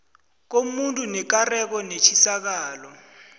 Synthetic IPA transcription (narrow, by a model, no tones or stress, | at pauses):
k̬omuntʼunɛk̬arɛk̬ɔnet͡ʃʰisak̬aːlɔ